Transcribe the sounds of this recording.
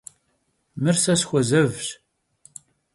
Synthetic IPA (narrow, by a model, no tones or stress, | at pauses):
mɨrsɐsxʷɐzɐvɕ